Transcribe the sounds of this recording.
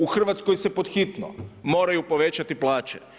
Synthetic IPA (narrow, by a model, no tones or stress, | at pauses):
uxr̩ʋat̪skojsepo̞d̪xit̪no̰mo̞ːɾajupo̞ʋe̞t͡ɕat̪iplˠaːt͡ʃe